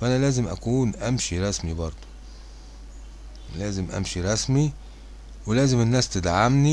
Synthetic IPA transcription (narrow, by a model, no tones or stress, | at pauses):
fʔænælæːzemʔæ̰kuːnʔæmʃiɾˤɑsmibɑɾˤd̪̥ˤo̥ | læːzemʔæ̰mʃiɾˤɑsmi | welæːzemenːæːst̪ed̪ʕamni